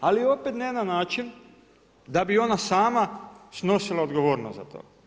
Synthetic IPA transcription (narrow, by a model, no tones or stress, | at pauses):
alio̞pet̪nenanaːt͡ʃin | d̪abio̞nasaːmasno̞silˠaod̪ɡoʋo̞ːɾnost̪za̰t̪ʰo̰ː